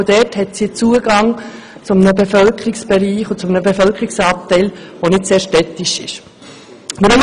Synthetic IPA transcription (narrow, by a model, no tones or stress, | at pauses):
d̥̪ɛthɛtsiət͡suːəɡɑŋ | t͡sʊmənəbefœlkʰəɾɪksb̥ɛɾiːχʊt͡sʊmənəbefœlkɾɪksɑːp̚t̪ɛɪlʋonɪtseːɾʃtɛt̪ːiʃɪ̰ʃ | məɾʊm